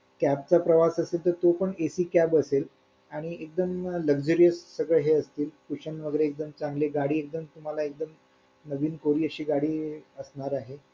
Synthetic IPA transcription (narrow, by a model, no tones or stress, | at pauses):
kæp̚t͡sapɾəʋasəselt̪əɾt̪opəɳesiːkæbəsel | aɽ̃iek̚d̪əmləɡd͡ʑuɾijəsːəɡɭeɦeəst̪iːlkuɕəɳnʋəɡɾeːk̚d̪əmt͡sãŋɡleɡaɽiːek̚d̪əmt̪um̤alaek̚d̪əm | nəʋiːnkoɾiːəɕiːɡaɽiːəsɳaɾaɦe